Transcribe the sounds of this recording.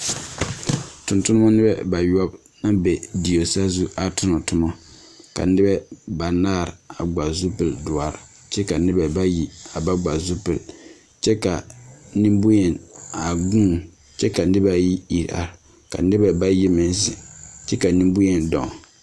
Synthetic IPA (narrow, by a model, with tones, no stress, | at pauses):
tʊ˨ntʊ˦n˦mɔ˦nɪ˦bɛ˦ba˨jɔ˦b̚ | na˦bɛ˨di˨o˨sa˦zu˦a˨tʊ˦nɔ˨tʊ˦mɔ˦ | ka̰˨nɪ˦bɛ˦ba˨naː˦˨ɾa˨ɡ͡ba˨zu˦pɨ˨ldʊ˨a˨ɾ | t͡ʃɛ˦ka˨nɪ˦bɛ˨ba˦ji˨a˨ba˦ɡ͡ba˨zu˦pɨ˨l | t͡ʃɛ˦ka˨nɪ˦mbʊ˦jɛ˨na˨ɡũː˦˨ | t͡ʃɛ˦ka˨nɪ˦ba˦ji˦i˨ɾa̰˨ | ka˨nɪ˦bɛ˨ba˦ji˦mɪ˨n˦sɪ˨t͡ʃɛ˦ka˨nɪ˦mbʊ˦jɛ˦˨ndɔ̰˨